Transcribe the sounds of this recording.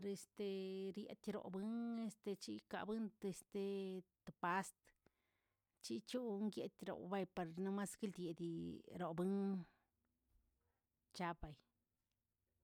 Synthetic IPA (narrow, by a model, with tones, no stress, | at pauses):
ɾe˧st̪e˧ɾjḛ˧t̪ʲɾo̰˨bɨ˦ŋe˦st̪e˧t͡ʃi˦ka̰˨bɨ˦nt̪e˧st̪e˧t̪o˨pa˦st̪ | t͡ʃi˦t͡ʃu˦ŋɡje˧t̪ʲɾo̰˨ba˧jpa˧ɾna˦ma˦ski˦ld̪ʲje˨d̪ʲi˧ɾo˨bɨ˦ŋ | t͡ʃa˧ba˨j